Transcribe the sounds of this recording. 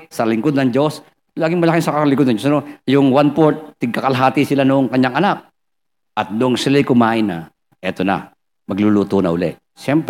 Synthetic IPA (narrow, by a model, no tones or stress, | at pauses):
sɐlɪŋkod̪nɐŋd͡ʒo̞s | laːɡɪŋmɐlakɪnsɐkɐalɪŋkod̪nɐŋd͡ʒosɐnojʊŋwanpoɹt̪̚ːɪɡ̚kɐkɐlɐɦaːt̪ɪsɪlanʊʔoŋkɐɲːaŋʔɐnak̚ | ʔɐt̪̚nʊŋsɪlɐjkʊmaːʔɪnɐ̰ | ʔɛt̪onɐ̰ | mɐɡ̚luluːt̪onɐ̰ʊlɛ̰ʔ | ʃɛmpɾ